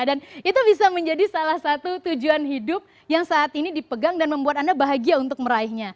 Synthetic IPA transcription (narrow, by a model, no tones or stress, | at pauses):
danit̪ubisaməɲd͡ʒadisalahsat̪ut̪ud͡ʒuanɦidʊp̚ | jaŋsaːt̪inidipəɡaŋdanməmbuat̪̚andabaɦaɡiaunt̪ʊk̚məɾaɪɦɲa